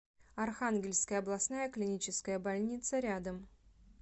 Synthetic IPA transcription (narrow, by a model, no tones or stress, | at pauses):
ɐrxanɡʲɪlʲskəjəɐblˠɐsnajəklʲɪnʲit͡ɕɪskəjəbɐlʲnʲit̪səɾʲad̪əm